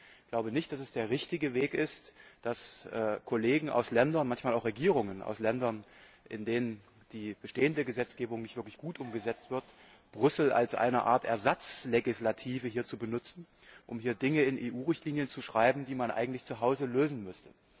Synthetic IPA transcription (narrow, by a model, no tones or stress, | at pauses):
ɡ̥laʊbənɪçt̚d̥asɛsd̥eːɐʁɪçtɪɡəveːkɪstd̥asʔɛːkʰoleːɡŋ̩ʔa̰ʊslɛndɐnmançmaːlʔaʊχʁ̥eɡiːʁ̞ʊŋənʔa̰ʊslɛndɐn | ʔɪ̰ndeːnən | d̥iːb̥əʃteːəndəɡəzɛt͡sɡ̥eːbʊŋnɪçtv̥ɪɐklɪçɡ̥uːtʔʊmɡəzɛt͡stv̥ɪɐt | b̥ʁʏsl̩ʔa̰lsʔa̰ɪnɐʔa̰ːɐtʔɛ̰ɐzat͡sleɡɪslatʰiːvəɦiːɐt͡subənʊt͡sn̩ | ʔʊmhiːɐdɪŋəɪnʔeːʔuːʁɪçtliːnjənt͡suʃʁ̥aɪbm̩diːmanʔa̰ɪɡŋ̩tlɪçt͡suɦaʊzəløːzn̩mʏstə̥